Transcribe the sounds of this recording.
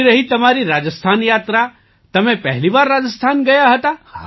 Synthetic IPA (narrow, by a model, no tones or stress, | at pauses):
ɾɐɦit̪ɐmaːɾiɾaːd͡ʒəst̪ʰaːnjaːt̪ɾa | t̪ɐmẽpɛɦlibaːɾːaːd͡ʒəst̪ʰaːnɡɐjaɦɐt̪ah